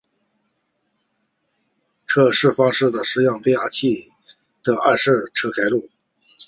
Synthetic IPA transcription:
ʈ͡ʂʰɤ˥ʂɻ̩˥˩fɑ˥ŋʂɻ̩˥˩d̪ə˩ʂɻ̩˥˧jɑ˥˩ŋpe˥ɪa˥˩t͡ɕʰi˥˩ | d̪ə˩ʔa˥˧ʂɻ̩˥˩ʈ͡ʂʰɤ˥kʰa˥ɪlu˥˩

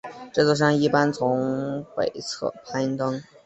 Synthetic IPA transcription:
ʈ͡ʂɤ˥˩t͡swɔ˥˩ɕ̬jɑ˥ŋi˥˩pa˥nt͡sʰʊ˧˥ŋpe˨˩ɪt͡sʰɤ̰˥˩pʰa˥ɪnt̪ɤ˥ŋ

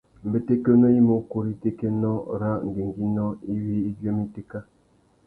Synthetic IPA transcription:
m̩˨be˨te˦ke˦nɔ˦i˦mo˨˦ko˨ɾi˦te˦ke˦nɔ˦ɾa˦ʔŋ̩˨ɡe˨ŋ˨ɡi˦nɔ˦i˦wi˦i˦d͡ʒje˦mi˦te˦ka˦

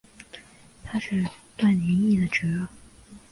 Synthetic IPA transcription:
t̪ʰa˥ʂɻ̩˥˧t̪wa˥˩nnjɛ˧˥ni˥˩d̪ə˩ʈ͡ʂɻ̩˧˥˩

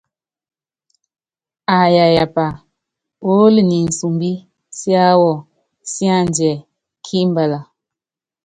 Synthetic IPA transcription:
a˨ja˨ja˨pa˨ | o˦li˨ni˨n̩˨su˨mbi˦ | si˦a˦wɔ˨ | si˦a˦˨n˦d͡ʒɛ˨ | kʰi˦m˦bə˨la˨

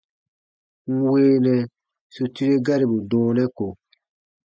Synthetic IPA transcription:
ŋ̩˦weː˦nɛ˨ | su˨ti˦ɾe˦ɡa˦ɾi˨bu˨dɔ̃ː˨nɛ̃˦ko˨

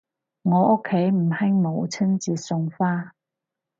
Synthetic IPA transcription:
ŋɔ˨˧˦ʔo˦˥kʰe˨˧˦jm̩˨˩ha˥ŋmo˨˦wt͡sʰə˥nt͡ɕi˨˥sʊ˧ŋfaː˥

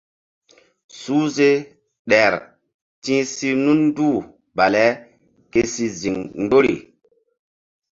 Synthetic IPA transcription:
suː˦ze˦ | ɗɛ˨ɾ | tĩ˦si˦nu˦nːduː˦˨ | ba˨lɛ˦ | ke˦si˨zi˨ŋn˦do˦ɾḭ˨

